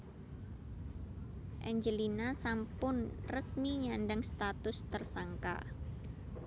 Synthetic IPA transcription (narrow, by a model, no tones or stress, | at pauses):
ʔɛɲd͡ʒəlinasampʊnrəsmiɲanɖaŋst̪at̪ʊst̪ərsaŋka̰